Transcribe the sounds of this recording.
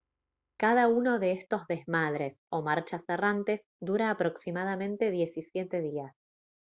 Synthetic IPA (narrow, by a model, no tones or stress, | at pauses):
kað̞auno̞ðe̞est̪o̞zðe̞zmaðɾe̞so̞maɾt͡ʃaserant̪e̞z | d̪uɾaːpɾo̞ksimað̞amẽ̞nt̪e̞ðje̞sisjet̪e̞ðias